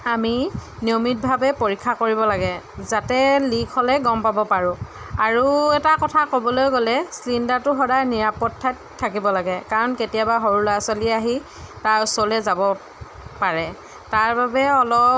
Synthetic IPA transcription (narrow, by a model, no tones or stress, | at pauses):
aminiomit̚bʱabɛpoɹikʰːakoɹibɔlaɡɛ | zatɛlikʰɔlɛɡɔmpabɔpaɹʊ̃ | aɹuɛtakɔtʰakobɔlojɡolɛslindatʊɦɔdajniɹapɔtʰːattʰːakibɔlaɡɛkaɹɔnketijabaɦɔɹulasaliaɦi | taɹsɔlɛzabɔ | paɹɛ | taɹbabɛɔlɔ